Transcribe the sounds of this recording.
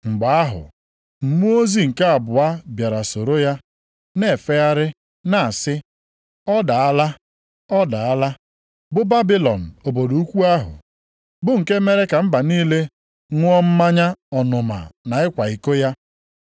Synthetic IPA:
ŋ͡m̩˨ɡ͡ba˨a˦ɦʊ̰˨ | m̩˨mu˦o˦zi˨ŋ̩˨ke˦a˨bʊ˨a˦bja˨ɾa˨so˨ɾo˦ja˦ | ne˦˨e˨fe˦a˦ɾɪ˦ | na˨a˨sɪ˦ | ɔ˦da˨a˦la˦ | ɔ˦da˨a˦la˦ | bʊ˦ba˦bi˦lɔ˨n̩˨o˨bo˨du˨u˦kʷu˦a˦ɦʊ̰˨ | bʊ˦ŋ̩˨ke˦me˦ɾe˦ka˨m̩˦ba˨niː˦le˦ | ŋʷʊ˦ɔ˦m̩˦ma˦ɲa˦ɔ˨nʊ˨ma̰˨na˨ɪ˦kʷa˨i˨ko˦ja˦

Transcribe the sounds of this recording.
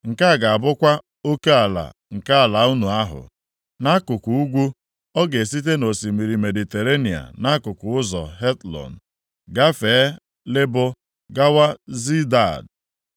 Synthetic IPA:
ŋ̩˨ka˦˨ɡa˨a˨bʊ˦kʷa˦ | o˦ke˦a˨la̰˨ŋ̩˨ka˦a˨la˨˦u˦nu˨a˦ɦʊ̰˨ | na˦kʊ˨ku˨u˦ɡʷu˦ | ɔ˦ɡe˨si˦t̬e˦no˨si˨mi˨ɾi˨me˨di˨te˨ɾe˦ni˨a̰˨na˦kʊ˨kʊ˨ʊ˦zɔ̰˨ɦe˦tlɔ̰˨n̩˨ | ɡa˦feː˨˦ | lɪ˦bʊ˦ | ɡa˦wa˦zi˦da˨d

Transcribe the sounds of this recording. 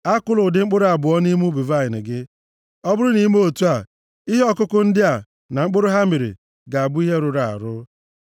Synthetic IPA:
a˦kʊ˦lʊ˨dɪ˨ŋ͡m̩˦k͡pʊ˦ɾʊ˦a˨bʊ˨ɔ˦ni˦mu˦bi˨va˦˨ɲɪ˨nɪ̰˨ɡɪ˦ | ɔ˦bʊ˦ɾʊ˦ni˦m˦o˦tu˦a˨ | i˦ɦe˦ɔ˦˨kʊ˦kʊ˦n̩˦dɪ˦a˨ | na˨ŋ͡m̩˦k͡pʊ˦ɾʊ˦ɦa˦mi˨ɾḭ˨ | ɡa˨a˨bʊ˦i˦ɦe˦ɾʊ˨ɾa˨a̰˨ɾʊ˦

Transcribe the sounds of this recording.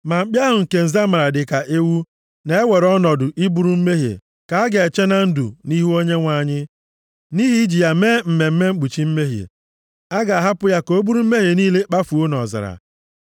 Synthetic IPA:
ma˨ŋ͡m̩˦k͡pja˦ɦʊ˨ŋ̩˨ke˨n̩˨za˦ma˨ɾa˨dɪ˨ka˨ʔe˦wu˦ | ne˦e˦we˨ɾɔ˦nɔ˨dʊ˨ʔi˦bu˦ɾu˦m̩˦me˦ɦḛ˨ | ka˨a˦ɡe˨e˨t͡ʃe˦na˦n̩˦dṵ˨ni˦ɦu˦o˦ɲe˦ŋʷa˨ɲɪ˦ | ni˦ɦi˦i˦d͡ʒi˨ja˨me˦m̩˨me˨m̩˦me˦ŋ͡m̩˦k͡pu˨t͡ʃi˦m̩˦me˦ɦḛ˨ | a˦ɡa˨a˨ɦa˦pʊ˦ja˦ko˦bu˦ɾu˦m̩˦me˦ɦe˨niː˦le˦k͡pa˦fu˨o˦nɔ˨za̰˨ɾa̰˨

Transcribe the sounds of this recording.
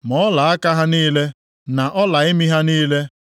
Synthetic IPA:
mɔ˨˦la˨a˦ka˦ɦa˦niː˦le˦ | na˨ʔɔ˦la˨ɪ˦mi˦ɦa˦niː˦le˦

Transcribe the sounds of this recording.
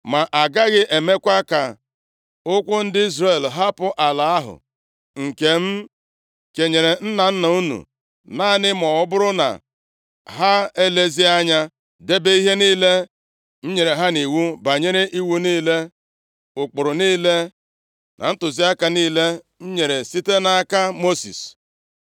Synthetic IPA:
ma˨ʔa˨ɡa˦ɣɪ˦ʔe˨me˦kʷa˦ka˨ | ʊ˦kʷʊ˦n̩˦dɪ˦i˦zɾe˨lɦa˦pʊ˦ʔa˨la˨a˦ɦʊ̰˨ | ŋ̩˨ke˨m̩˦ | ke˨ɲe˨ɾe˨n̩˦na˨n̩˦na˨u˦nṵ˨ | naː˦˨nɪ˦mɔ˨ʊ˦bʊ˦ɾʊ˦na̰˨ | ɦa˦e˦le˦zi˦a˦ɲa˦ | de˦be˦i˦ɦe˦niː˦le˦ | n̩˦ɲe˨ɾe˨ɦa˦ni˨wu˦ba˨ɲe˦ɾe˦ʔi˦wu˦niː˦le˦ | ʊ˨k͡pʊ˨ɾʊ˨niː˦le˦ | na̰˨n̩˦tʊ˨zi˦a˦ka˦niː˦le˦ | n̩˦ɲe˨ɾe˨si˦te˦na˨˦ka˦mo˦sḭ˨s

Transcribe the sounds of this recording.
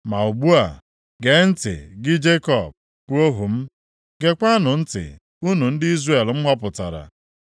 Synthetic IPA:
ma˨u˨bu˦a˨ | ɡe˨˦n̩˦tɪ̰˨ɡɪ˦d͡ʒe˦kɔ˦˨b̚ | pu˦o˦ɦu˨m̩˦ | ɡe˨kʷa˦nʊ˨n̩˦tɪ̰˨ | u˦nu˨n̩˦dɪ˦i˦zre˨lm̩˦ɦɔ˦pʊ˨ta̰˨ɾa̰˨

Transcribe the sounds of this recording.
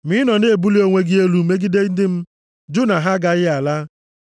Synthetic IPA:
mi˦nɔ˨ne˦e˨bu˦li˦o˦ŋʷe˦ɡɪ˦e˦lu˨˦me˦ɡi˦de˦n̩˦dɪ˦m̩˦ | d͡ʒʊ˦na˨ɦa˦ɡa˨ɣɪ˦a˨la˦

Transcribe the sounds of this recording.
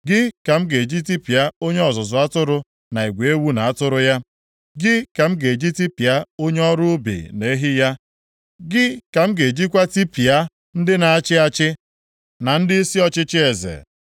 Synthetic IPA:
ɡɪ˦ka˨m̩˦ɡe˨d͡ʒi˦ti˦pi˨a˦o˦ɲe˦ɔ˨zʊ˨zʊ˨a˦tʊ˦ɾʊ˦ | na˨i˨ɡʷe˨e˦wu˦na˨a˦tʊ˦ɾʊ˦ja˦ | ɡɪ˦ka˨m̩˦ɡe˨d͡ʒi˦ti˦pi˨a˦o˦ɲe˦ɔ˦ɾʊ˦bḭ˨ne˦ɦi˦ja˦ | ɡɪ˦ka˨m̩˦ɡe˨d͡ʒi˦kʷa˦ti˦pi˨a˦ | n̩˦dɪ˦na˨a˦t͡ʃɪ˦a˦t͡ʃɪ˦ | na˨n̩˦dɪ˦i˦si˦ɔ˦t͡ʃɪ˦t͡ʃɪ˦e˨zḛ˨

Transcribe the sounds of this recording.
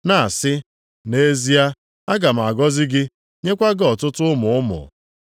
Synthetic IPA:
na˨a˨sɪ˦ | ne˦zi˦a˦ | a˦ɡa˨m̩˨a˨ɡɔ˦zɪ˦ɡɪ˦ | ɲe˦kʷa˦ɡɔ˨tʊ˦tʊ˦ʊ˦mʊ˨ʊ˦mʊ̰˨

